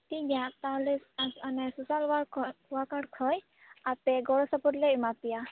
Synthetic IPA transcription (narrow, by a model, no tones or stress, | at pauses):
t̪iɡiãt̪alɛsanɛsusalwawakaɽkʰɔj | apɛɡɔɽɔsapɔɾlɛimapija